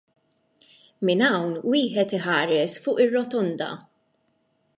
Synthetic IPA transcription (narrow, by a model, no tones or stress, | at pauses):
mɪnɐwnwiːħɛt̪ɪħɐːɾɛsfʊːʔɪrːɔt̪ɔnd̪ɐ̰